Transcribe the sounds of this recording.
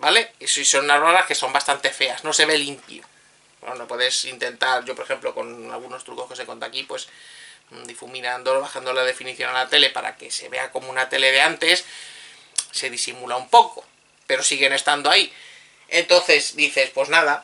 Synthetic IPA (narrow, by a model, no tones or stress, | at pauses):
bale̞siso̞nunaβaɾaske̞so̞mbast̪ant̪e̞fe̞azno̞se̞βe̞limpḭo | o̰nopweðesint̪e̞nt̪aɾʝo̞poɾexe̞mplo̞ko̞̰na̰lɣunost̪ɾuko̞ske̞seko̞nt̪akipwe̞s | d̪ifumĩnãnd̪oβaxand̪o̞laðe̞finiθjo̞nalat̪e̞le̞pa̰ɾa̰ke̞se̞̰βe̞̰ako̞mounat̪e̞le̞ðe̞ant̪e̞s | se̞ðisimulaumpo̞ko̞ | pe̞ɾo̞siɣe̞ne̞st̪and̪oai | e̞nt̪o̞nθe̞zd̪iθe̞spwo̞znaða